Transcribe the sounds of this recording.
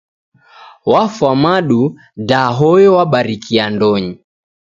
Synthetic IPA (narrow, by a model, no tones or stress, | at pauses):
wafwamaɗu | daɦɔjɔwaɓaɾikiandɔɲi